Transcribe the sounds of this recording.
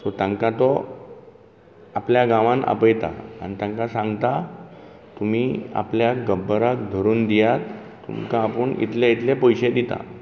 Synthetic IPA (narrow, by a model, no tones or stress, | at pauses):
sɔt̪ãŋkat̪ɔ | apljaɡãʋãna̰pəjt̪a̰a̰ñit̪ãŋkasãŋɡt̪a | t̪um̤iːa̰pljaɡəbːəɾakd̪ʱəɾuːnd̪ijat̪ː | ṵmkaːpəɳḭt̪leit̪lepɔjɕed̪it̪a̰